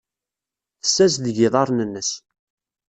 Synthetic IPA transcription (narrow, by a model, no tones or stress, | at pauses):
θəsːæsðəʝɪðˤɑɾˤnənːəs